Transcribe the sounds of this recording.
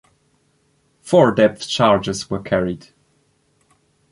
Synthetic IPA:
fɔɹdɛp̚θt͡ʃʰɑɹd͡ʒɪzwə˞kʰæɹid̥

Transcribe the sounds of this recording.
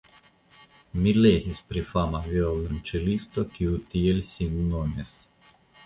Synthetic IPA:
milehisʲpɾifamavjɔlunt͡ʃelist̪okiut̪ielʲsʲinnonʲes

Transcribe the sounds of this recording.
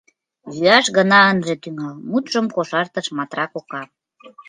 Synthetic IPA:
jyɑʃɣənɑənʒet̪yŋɑlmut̪ʒə̆mkoʃɑrt̪əʃmɑt̪rɑkokɑ

